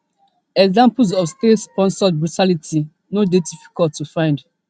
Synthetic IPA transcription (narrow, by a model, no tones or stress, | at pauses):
ɛɡzãmpus̬ɔfstetspɔ̃nsɔd̚bɹutʰalitʰi | nodedifi̥kɔltːufãɪ̃nd